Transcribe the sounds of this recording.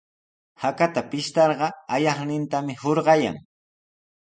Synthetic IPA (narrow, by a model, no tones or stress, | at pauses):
hakat̪apɪʃt̪ɑɾɢɑajɑχnɪnt̪amɪhoɾɢɑja̰ŋ